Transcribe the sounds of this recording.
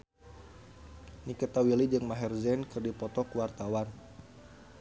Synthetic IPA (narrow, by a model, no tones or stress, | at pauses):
nikət̪awilid͡ʒɨŋmaɦɛrzɛnkɨrdipɔt̪ɔkuwart̪awan